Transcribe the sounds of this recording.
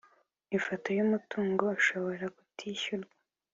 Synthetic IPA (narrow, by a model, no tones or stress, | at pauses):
ifotojumutuːŋɡo̞aʃo̞βo̞ɾakutʰiːçuɾɡwḁ